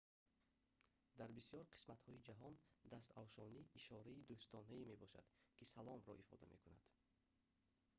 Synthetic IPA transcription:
d̪aɾbisjɔɾqʰi̥smat̪hɔid͡ʒaɦɔnd̪ast̪avʃɔniːʃɔɾaid̪ust̪ʰɔnaime̞bɔʃa̰d̪̥kʰisalɔmɾɔ̰ʔifɔ̰d̪a̰me̞̰kuna̰d̪̥

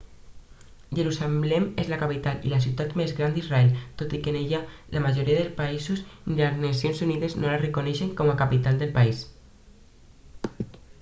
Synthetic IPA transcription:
ʒeɾusalɛmezlakapit̪alḭlas̬iut̪at̪mezɣɾand̪izraɛlt̪ot̪ikenejalamaʒoɾiaðelspaisusnilaznasjonsuniðeznolarekoneʃeŋkɔmakapit̪ald̪elpais

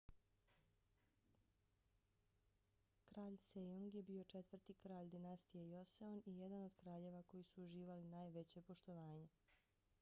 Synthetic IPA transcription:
kɾaːʎsejoŋɡje̞biːo̞t͡ʃe̞t̪ʋrt̪ikɾaːʎd̪inast̪ijejo̞seonijed̪ano̞d̪kɾaːʎe̞ʋako̞jisuːʒiːʋalinaːjʋe̞t͡ɕe̞po̞ʃt̪o̞ʋaːɲe̞

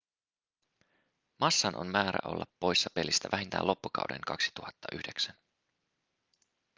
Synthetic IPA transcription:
mʔɑsːɑnʔo̞̰mmæːɾæ̰ʔo̞̰lːɑpːo̞jsːɑpe̞list̪æʋæɦint̪æ̰ːlo̞pːukɑ̰wdḛŋkɑksi̥t̪uhɑt̪ːɑʔyhde̞ksæn

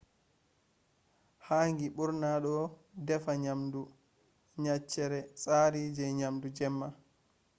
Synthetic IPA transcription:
haːŋɡiɓuɾnaɗɔdɛfaɲamdu | ɲat͡ʃːɛɾɛsʼaːɾid͡ʒɛɲamdud͡ʒɛmːa

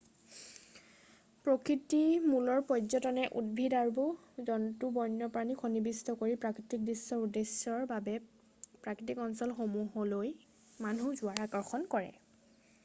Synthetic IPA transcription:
pɹokɹitimulɔɹpɔjzɔtɔnɛʔudbʱidaɹbɔ | zɔntubɔjnːɔpɹanixʰonibistɔkoɹipɹakɹitik̚disːɔɹudesɔɹbabɛ | pɹakɹitikɔnsɔlxomuɦɔloj | manuzʊaɹakɔɹxɔnkɔɹɛ̰

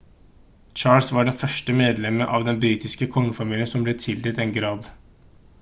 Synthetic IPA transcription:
t͡ʃɑːlsʋɑɖɛnfœʂʈəmeːd̪lɛməʔɑʋd̪ɛnbɾiːt̪ɪskəkʰɔŋːəfɑmiːlɪənsɔmblɛt̪ʰɪld̪ət̪ɛnɡɾɑːd̪

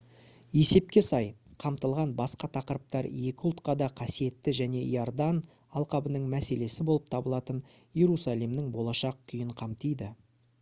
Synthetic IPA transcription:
e̞se̞p̚kʲe̞sɑj | qʰɑmt̪əlˠʁɑnbɑsqɑt̪ʰɑqəɾəp̚t̪ɑɾje̞kʲɪʊlˠt̪̚qɑd̪ɑqʰɑsije̞t̪ːɪʒæne̞ḭord̪ɑn | ɑlˠqɑbənəɴmæse̞le̞sɪbo̞lˠəp̚t̪ʰɑbəlˠɑt̪ən | ije̞ɾusɑlˠijmnɪŋbo̞lˠɑʃɑq̚kʲʰʏjɪɴqʰɑmt̪ijd̪ɪ

